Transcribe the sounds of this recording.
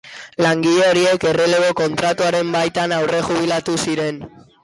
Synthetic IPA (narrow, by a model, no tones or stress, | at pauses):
laŋɡiʎeoɾie̞ke̞releɣo̞ko̞nt̪ɾat̪uaɾe̞mbajt̪anawre̞ɣuβilat̪usiɾe̞n